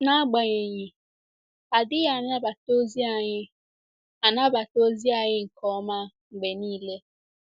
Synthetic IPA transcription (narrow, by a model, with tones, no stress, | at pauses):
na˦a˦ɡ͡ba˨ɲe˨ɲɪ˨ | a˨dɪ˦ɣa˨na˦ba˨to˦zi˦a˨ɲɪ˦ | a˨na˦ba˨to˦zi˦a˨ɲɪ˦ŋ̩˨kʰɔ˦ma˦ | ŋ͡m̩˨ɡ͡be˨niː˦le˦